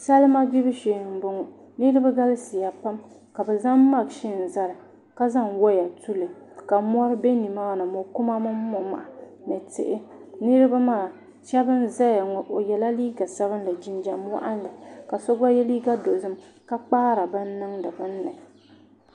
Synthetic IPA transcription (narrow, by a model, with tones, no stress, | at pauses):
sa˦lma˦ɡɪ˦bɨ˦ʃeː˨m̩˨bo˨ŋɔ˨ | nɨ˦ɾɨ˦ba˦ɡa˦lɨ˦sɪ˨ja˨pa˦m | ka˨bɛ˨za˦mː˦a˨ɡʃɪ˦n̩˨za˦ɾɨ˨ | ka˦za˦˨ŋwɔ˦ja˨tu˦lɨ˨ | ka˨mɔ˦ɾɨ˦be˦ni˨ma˦˨nɨ˨mɔ˨kʊ˦ma˦mɨ˦mː˦ɔ˦ma̰˨ | nɨ˨tɪ̰˨ʔɪ˦nɨ˦ɾɨ˦ba˦ma˦˨ | ʃɛ˦bɨ˦n˦za˦ja˨ŋɔ˨ʔo˨jɛ˨la˦liː˦ɡa˨sa˦βɨ˦n˦la˨d͡ʒi˦nd͡ʒa˨m˦wa̰˦ʔa˦n˦lɨ˨ka˨sɔ˦ɡa˦jɛ˦liː˦ɡa˦do˨zɨ˦m | ka˦k͡paː˦ɾa˨ba˦nː˦ɨ˦ŋdɨ˨bɨ˦nː˦ɨ˨